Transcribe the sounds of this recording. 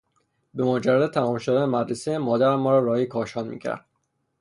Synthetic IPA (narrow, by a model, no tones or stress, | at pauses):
be̞mod͡ʒærːæd̪et̪ʰæmɒːmʃod̪ænemæd̪ɾesemɒːd̪æɾmɒːɾɒːɾɒːjikʰɒːʃɒːnmḭːcʰæ̰ɾd̪̥